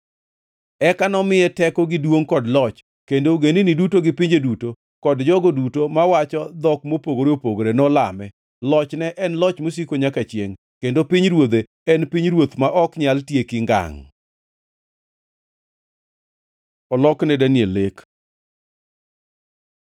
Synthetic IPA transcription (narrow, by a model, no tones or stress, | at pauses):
ɛkanɔmɪjɛtɛkɔɡɪdwoŋkɔdlɔt͡ʃ | kendoɡeninidutoɡɪpiɲd͡ʒeduto | kɔdd͡ʒɔɡodutomawat͡ʃɔd̪ɔkmopoɡoɾeopoɡoɾenɔla̰mɛ | lɔt͡ʃnɛʔɛnlɔt͡ʃmos̬ikoɲakat͡ʃjeŋ | kendopiɲɾwod̪e | ɛnpiɲɾwot̪maʔɔkɲaltjekɪŋɡa̰ŋ | ɔlɔknɛdanielek